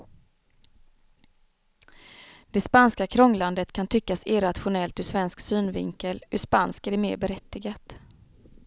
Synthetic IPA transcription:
d̪̥ɛspanskakʰɾɔŋːland̪ət̪kʰant̪ʰʏkːasɪɾat̪ɧʊnɛlt̪ɵʂvɛnsksyːnvɪŋkəlɵʂpanskæɖɛmeːɾbɛɾɛt̪ːɪɡat̪

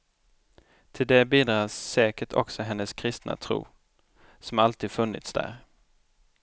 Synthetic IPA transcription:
t̪ʰɪld̪ɛbiːd̪ɾɑːsːɛːkəʈʰɔ̰ksɔɦɛnːəskʰɾɪst̪na̰t̪ʰɾṵː | sɔmalt̪ʰiːd̪fɵnːɪ̰t̪sd̪æ̰ːɾ

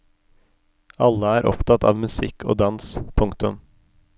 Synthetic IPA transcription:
ɑlːəæːɾʔɔ̰pt̪ʰɑt̪ʰɑ̰ːʋmʉsɪkʰo̰ːd̪ɑnspʰʊŋkt̪ʉm

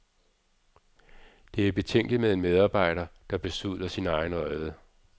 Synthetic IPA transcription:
d̥e̝æɐib̥e̝t͡sʰeŋ̰ɡ̥limeðˠe̝nmeð̞ˠɑ̈ːb̥ɑ̈ɪ̰ɾ̥ɐd̥ɑ̈b̥e̝suð̰ˠlˠɐsinɑ̈ɪnɒɪðˠə

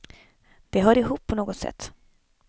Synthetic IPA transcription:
d̪̥ɛɦœːɾɪɦuːpʰːɔnoːɡɔt̪sɛ̰t̪ː

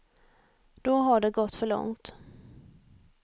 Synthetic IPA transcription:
d̪̥ɔɦaɖɛɡɔt̪ːfœɭɔ̰ŋt̪

